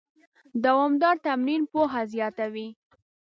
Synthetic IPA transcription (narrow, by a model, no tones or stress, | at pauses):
d̪awɑmd̪ɑɾt̪amninpoɦazjɑt̪awi